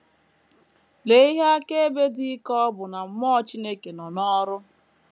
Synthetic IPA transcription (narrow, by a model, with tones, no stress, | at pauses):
le˨˦i˦ɦe˦a˦ke˦e˦be˦di˦kɔ˦ɔ˦bʊ˨na˨m̩˦mɔ˦t͡ʃi˦ne˦ke˨nɔ˨nɔ˦ɾʊ˦